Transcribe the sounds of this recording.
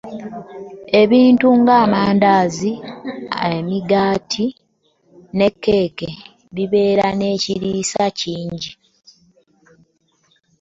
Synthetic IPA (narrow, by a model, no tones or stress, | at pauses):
e̞βiːntuŋɡaːmaːndaːziaemiɡaːtʰi | ne̞kːe̞ːke | βiβe̞ːɾane̞ːciɾiːsaciːɲɟi